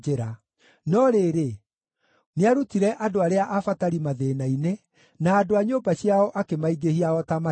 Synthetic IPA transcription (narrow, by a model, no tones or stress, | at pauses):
eɾa | nɔɾeɾe | neaɾutiɾɛʔadoaɾeaʔafataɾimaðeːnaine | naːdoaɲoːmbaɕiaɔʔakemaiɡehiaɔtama